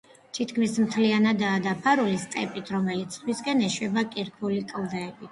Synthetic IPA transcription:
t̪ʰit̪ʰkʰmismt̪ʰlianad̪aːd̪apʰaɾulist̪sʼɛ̰pʼit̪ʰɾɔmɛlit̪sʰt̪ʰwiskʼɛnɛʃwɛbakʼiɾkʰulikʼlˠd̪aɛbi

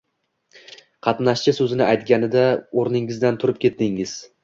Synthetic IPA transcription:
qʰɑt̪naʃt͡ʃɪsɵzɪnɪʔajt̪ɡʲanɪd̪aoɾnɪŋɪzd̪ant̪ʰʊɾɪp̚kʲʰe̞t̪̚d̪ɪŋːɪz̥

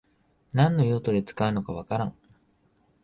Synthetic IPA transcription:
nãnːo̞jo̞ːt̪o̞d̪e̞t͡sɨ̥kaɯ̟no̞kaβ̞akaɾã̰ŋ

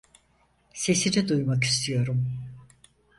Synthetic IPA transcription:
se̞sinid̪ujmak̬i̥st̪ʰijo̞ɾum

